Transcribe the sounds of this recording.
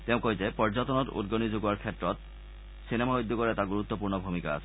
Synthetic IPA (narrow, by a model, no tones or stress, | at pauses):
t̪eʊ̃koɦjtepɔɹd͡ʑat̪ɔnɔtṵd̚ɡonizoɡuaɹkʰetːɹɔt | sinemaɦojd̪ʱːɔkɔɹɛtaɡuɾut̪ːɔpuɹnɔbʱumikaa̰sʰɛ